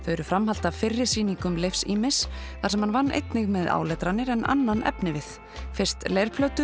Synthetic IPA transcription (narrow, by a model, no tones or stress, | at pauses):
fœːɾʏfɾamɦal̥t̪avfɪrːɪ̥siːniŋkʏmlejfsiːmɪs | θasɛmhanvanːʔḛjt̪nɪɣmɛða̰ːwlɛt̪ɾanːɪɾɛna̰nːanʔɛ̰pnɪvɪθ | fɪr̥st̪lejɾ̥pʰlœwt̪ʏ